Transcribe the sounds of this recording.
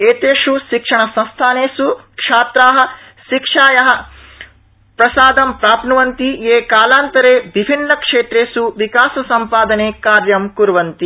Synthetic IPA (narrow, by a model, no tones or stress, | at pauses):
eːt̪eːʂuʃikʂɐɳɐsɐ̃nst̪ʰaːneːsukʂaːt̪ɾaːɦɐ̆ | ʃikʂaːjɐɦɐ̆ | pɾɐsaːd̪ɐmpɾaːpnuʋɐnt̪ieːkaːlaːnt̪ɐɾeːʋibʱinːɐkʂeːʈ̪ɾeːsuʋikaːsɐsɐmpaːd̪ɐneːkaːɾjɐmkuɾʋɐnt̪i